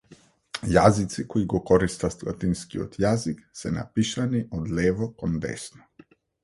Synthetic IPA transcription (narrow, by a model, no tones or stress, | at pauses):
jazit̪sikɔiɡɔkɔɾist̪ast̪la̰t̪inskiɔ̰t̪jaziksɛna̰piʃaniʔɔd̪lɛvɔkɔnd̪ɛ̰snɔ̥